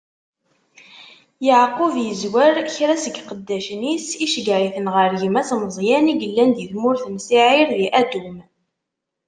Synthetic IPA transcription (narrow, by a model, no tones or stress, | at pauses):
jəʕqʊvjəzwæɾçɾæsəɡqəd̪ːæʃnisiʃəɡɾiθənʁəɾʝəmæsməzˤjæniɡəlːænd̪jəθmʊɾθmsiʕiɾðiʔæd̪um